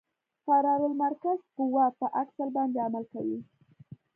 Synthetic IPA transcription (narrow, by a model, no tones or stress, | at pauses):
faɾɑɾəlmaɾkazkʊwɑpəʔaksəlbɑnd̪eamalkawi